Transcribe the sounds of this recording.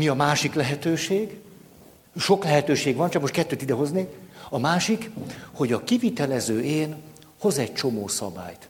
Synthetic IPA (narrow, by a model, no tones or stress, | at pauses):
miɒmaːʃiklɛɦɛt̪øːʃeːɡ | ʃo̞klɛɦɛt̪øːʃeːɡʋɒnt͡ʃɒkmot̪̚kɛt̪ːøːt̪id̪ɛɦo̞zneːkɒmaːʃikho̞ɟɒkivit̪ɛlɛzøːʔeːn | ho̞zɛɟ̚t͡ʃo̞moːsɒ̰ba̰ːjt̪